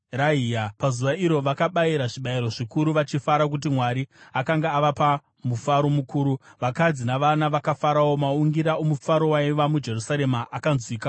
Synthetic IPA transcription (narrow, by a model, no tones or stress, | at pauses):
raɦijapazuʋaiɾo̞ʋakaɓaiɾaʐiɓaiɾo̞ʐikuɾuʋat͡ʃifaɾak̬ut̬imwaɾiakaŋɡaːʋapa | mufaɾo̞mukuːɾuʋakad͡zinaʋanaʋakafaɾawo̞mauŋɡiɾaomufaɾo̞waiʋamud͡ʒe̞rusaɾe̞maʔakanzwiːka